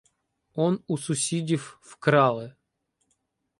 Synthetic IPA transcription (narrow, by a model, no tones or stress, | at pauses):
onʊsʊsʲidʲiffkɾalˠɨ